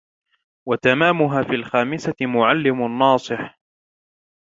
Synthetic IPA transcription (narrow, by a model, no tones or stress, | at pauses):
wat̪amaːmʊɦaːfiːlxaːmɪsaɪmʊʕalːɪmʊnːɑːsˤɨħ